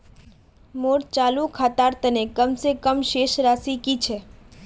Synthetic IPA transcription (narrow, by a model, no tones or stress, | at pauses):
moːɽt͡ʃaːlũkʰaːt̪aːɾt̪ənekəmsekəmʃeːʃɾaːsikit͡ʃʰɛː